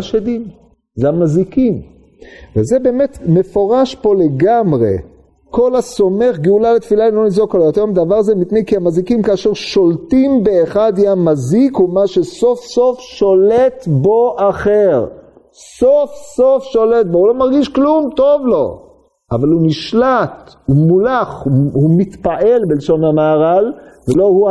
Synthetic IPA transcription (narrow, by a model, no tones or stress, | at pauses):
aʃed̪in | zeamazikim | vezebe̞ːmet̪me̞fo̞ʁaʃpo̞le̞ɡamʁe̞̰ | ko̞laso̞me̞χɡeulalet̪filaimlo̞nizokalajot̪emd̪avaʁazemitnejkiamazikimkaːʃe̞ʁʃo̞lt̪imbeːχad̪iamazikumaʃeso̞fsofʃolet̪bo̞ʔaχeʁ | sofsofʃo̞let̪̚bohulo̞maʁɡiʃklumt̪o̞vlo̞̰ | ʔavaluniʃlat̪umulaχhumit̪paʔe̞lbelʃo̞namaːʁalvelo̞hu